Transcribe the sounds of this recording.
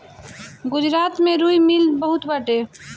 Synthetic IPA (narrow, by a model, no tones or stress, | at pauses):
ɡʊd͡ʒɾaːt̪mẽɾuimɪlbəɦʊt̪bəʈe